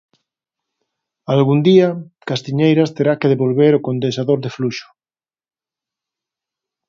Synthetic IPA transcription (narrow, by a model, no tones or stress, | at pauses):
alɣund̪iakast̪iɲejɾast̪eɾakeðeβolβeɾokond̪esaðoɾðefluʃo̥